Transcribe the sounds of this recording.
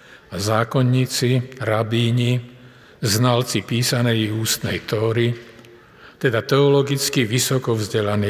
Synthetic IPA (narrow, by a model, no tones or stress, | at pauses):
azaːkɔɲːiːt͡siɾabiːɲi | znalt͡sipiːsanɛjiuːst̪nɛ̰jt̪ɔːɾi | t̪ɛd̪at̪ɛɔlɔɡit͡skiʋisɔkɔvzɟɛlani